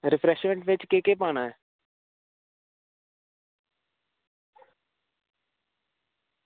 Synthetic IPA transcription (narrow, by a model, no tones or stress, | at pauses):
ɾɪpʰɾɛʃmẽɳʈʋɪt͡ʃkeːkepaːnaɛ